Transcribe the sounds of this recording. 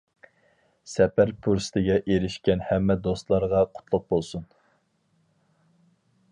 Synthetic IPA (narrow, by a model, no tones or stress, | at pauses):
sɛpæɾpʰuɾsɨ̥t̪ʰɪɡʲɛʔeɾɪʃkʲɛnhɛmːɛd̪ost̪lˠɑɾʁɑqʰʊ̥t̪ʰlˠʊq̚bolˠsun